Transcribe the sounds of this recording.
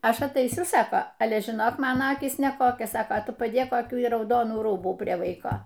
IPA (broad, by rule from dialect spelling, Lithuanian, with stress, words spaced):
ˈɐʃ ɐtɐɪˈsʲʊ ˈsɑːkoː ˈɑːlʲɛ ʒʲɪˈnoːk ˈmɑːnoː ˈɑːkʲiːs nʲɛˈkoːkʲoːs ˈsɑːkoː ˈtʊ pɐˈdʲeːk koːˈkʲuː ɪ rɐʊˈdoːnuː ˈruːbuː ˈpʲrʲiɛ ˈʋɐɪkoː